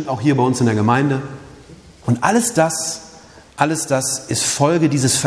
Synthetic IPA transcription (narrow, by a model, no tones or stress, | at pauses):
ntaʊxhɦiːɐbaɪʊnsɪndeɐɡəmaɪndə | ʊntʔaləsd̥as | ʔaləsd̥asɪstfɔlɡədiːzəsf